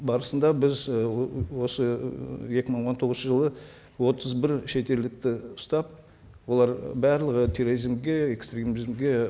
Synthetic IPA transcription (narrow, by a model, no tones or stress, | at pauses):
bɑɾəsənd̪ɑbɪz | wo̞səje̞kʲɪməɴwo̞nt̪ʰo̞ʁəz̩ʃəʒəlˠə | wo̞t̪əzbɪɾʃe̞t̪e̞ld̪ɪk̚t̪ɪʊst̪ɑp | wo̞lˠɑɾbæɾlˠəʁət̪ʰeɾoɾizmɡʲe̞ekst̪rʲemizmɡʲe̞